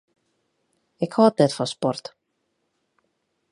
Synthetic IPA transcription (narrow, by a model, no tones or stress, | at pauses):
ɛkhɔːət̚nɛtfɔnspɔrt